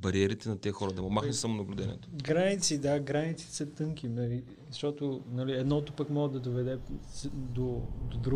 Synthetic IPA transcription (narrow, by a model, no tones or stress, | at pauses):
bɐɾiɛɾit̪ɛnɐt̪ɛxɔɾɐd̪ɐmomaxnɛsamonɐblʲud̪ɛnḭɛ̰t̪o̥ɡɾanit̪sid̪aɡɾanit̪si̥sət̪ɤŋkʲimɛɾi | zɐʃt̪ɔt̪onɐliɛd̪nɔt̪ʊpəkmɔʒəd̪ɐd̪ovɛd̪ɛ | d̪od̪od̪ɾu